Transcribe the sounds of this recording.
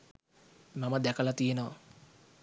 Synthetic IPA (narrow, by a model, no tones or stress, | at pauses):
maməd̪ækəlat̪ijenəʋɐ